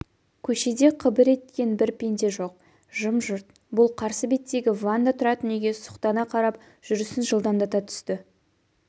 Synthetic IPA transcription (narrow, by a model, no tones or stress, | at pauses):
kʲʰɵʃe̞d̪e̞qʰəbɪɾe̞t̪kʲe̞nbɪɾpʲe̞nd̪e̞ʒo̞q̚ | ʒəmʒʊɾt̪̚ | bʊlˠqʰɑɾsəbe̞t̪ːe̞ɡʲɪvand̪ɑt̪ʰʊɾɑt̪əne̞ɡʲe̞sʊ̥qt̪ɑnɑqʰɑɾɑp | ʒ̥ʏɾɪsɪnʒəlˠd̪ɑnd̪ɑt̪ɑt̪ʰʏ̥st̪ɪ